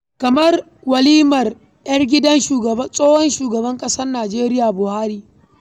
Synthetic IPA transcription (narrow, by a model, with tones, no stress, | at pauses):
kɐ˨mɐ˦r | wɐ˨liː˦mɐ˨r | jɐ˦rɡʲɪ˦dɐ˦nʃuː˨ɡɐ˨ɐ˦sʼoː˦hɔ˦nʃuː˨ɡɐ˨bɐ˦ŋkʼɐ˦sɐ˦rnaː˨d͡ʒeː˦ɾɪ˦jaː˨bʊ˨haː˦ɾiː˦